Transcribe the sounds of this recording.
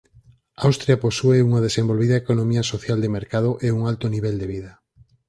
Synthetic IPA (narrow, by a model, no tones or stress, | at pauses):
awst̪ɾjaposueuŋɐðesembolβiðɐekonõmiɐsoθjald̪emeɾkað̞oʔeuŋalt̪oniβɛld̪eβ̞iðɐ